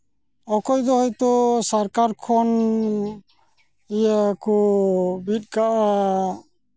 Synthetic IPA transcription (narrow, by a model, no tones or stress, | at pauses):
ɔkɔjd̪ɔhɔjt̪ɔsaɾkaɾkʰɔn | ɛjakɔbit̚ˀkaʔa